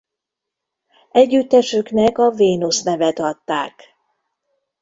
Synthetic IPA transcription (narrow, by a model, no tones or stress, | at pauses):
ɛɟːyt̪ːɛʃøknɛkɒveːnusnɛvɛt̪ɒt̪ːa̰ːk